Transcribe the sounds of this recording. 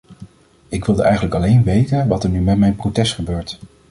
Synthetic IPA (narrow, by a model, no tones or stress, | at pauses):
ɪkʋɪlˠdəʔɛjχənləkɑlejnʋejtənʋɑtəɹnymɛtmɛjnprowtɛstχəbøːɹt